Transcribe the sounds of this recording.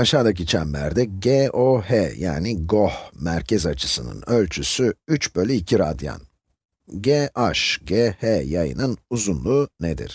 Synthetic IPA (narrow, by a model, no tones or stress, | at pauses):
aʃaːd̪ac̬it͡ʃʰæmlæ̰ɾd̪ɛɟeoheja̰ːniɡo̞hmæɾcʰɛzat͡ʃʰɯsɯnɯ̰nø̞lʲt͡ʃʰysyyt͡ʃbø̞lʲiicʰiɾad̪ja̰n | ɟeʔaʃɟehejajɯ̰nɯnuzunlˠuːned̪ḭɾ̥